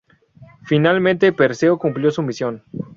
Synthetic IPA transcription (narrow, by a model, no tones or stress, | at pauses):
finalmẽnt̪epeɾseokumpljo̞sumisjo̞n